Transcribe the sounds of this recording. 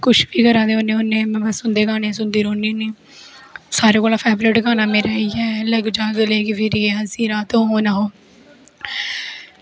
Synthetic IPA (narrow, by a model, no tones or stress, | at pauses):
kʊʃbiːkəɾãːd̪eːonẽːʊnːẽːmɛ̃ːbəsʊnd̪eːɡaːnẽːs̬ʊnd̪iːɾoːniːniː | saːɾeːkoːlãːpʰɛːbɾɪːʈɡaːnãːmeːɾaːiːɛːləɡd͡ʒaːɡleːkɪpʰɪɾieːasiːɾaːt̪õːɦoːnaːɦoː